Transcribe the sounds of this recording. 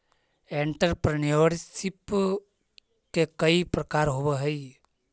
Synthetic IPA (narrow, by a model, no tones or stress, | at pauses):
eɳʈəɾpɾniʋəɾsip | kekəipɾəkaːɾɦoweɦəi